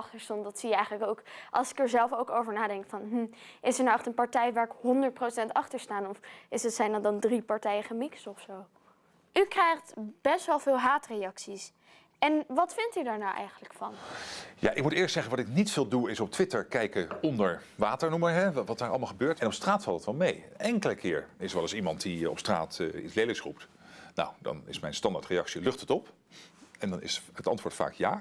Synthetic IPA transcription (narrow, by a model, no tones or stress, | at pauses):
ɑχtəɹstɔndɑtsijəɛjχələkowkʔɑlˠsɪ̥kɛɹzɛlˠfowkowvəɹnaːdɛŋkfɑnɦm̩ɪsəɹnaɛχtənpɑɹtɛjʋaːɹɪkɦɔndəɹt̚prosɛntɑχtəɹstaːnɔfɪsətsɛjnɔdɑndripɑɹtɛjəχəmɪkstɔfsow | ʔykrɛjχtb̥ɛstʋɛlˠvɪːlˠɦaːtrejɑksis | ɛnʋɑtfɪntydaːɹnawʔɛ̰jχənləkfɑnja̰ʔɪk̚mutɪːɹstsɛχənʋɑtɪknitfɪːlˠduɪsɔp̚tʋɪtəɹkɛjkəɔndəɹʋaːtəɹnuməɦɛʋɑtaːɹɑ̰ləmalˠχəbøːɹtɛnɔpstraːtfɑlˠtətʋɑlˠmejnɛŋkələkɪːɹɪsɹʋɛlˠəsimɑntdiɔ̰pstra̰ːtḭslejləksrup̚t | na̰wdɑ̰nɪ̰smɛjnstɑndaːtrejɑksilɵχtətɔp | ɛndɑnɪ̰sətɑ̰ntʋʊːtfa̰ːkjaː